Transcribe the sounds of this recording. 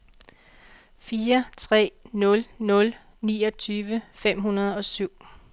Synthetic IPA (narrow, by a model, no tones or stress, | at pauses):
fiːɐt͡sʰʁɛ̰ːnɔ̽lnɔ̽l | nḭːɒ̽t͡sʰyːʋəfem̰ɦunɐð̞̩ˠɒ̽syʊ̰